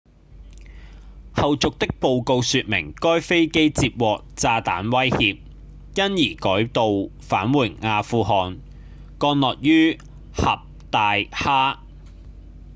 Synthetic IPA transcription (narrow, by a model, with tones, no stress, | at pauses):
hɐ˨wt͡sʊ˨k̚t̪ɪ˥k̚po˨wko˧wsyː˧t̚mɪ̰˨˩ŋkɔː˥jfe˥jke˥jt͡siː˧p̚wɔː˨k̚t͡saː˧t̪a̰ː˨˥nwɐ˥jhiː˧p̚ | jɐ˥njiː˨˩kɔː˨˥jt̪o˨wfa̰ː˨˥nwuː˨˩nŋaː˧fuː˧ɦɔː˨n | kɔː˧nlɔː˨k̚jyː˥ | hɐ˨p̚t̪aː˨˧jhaː˥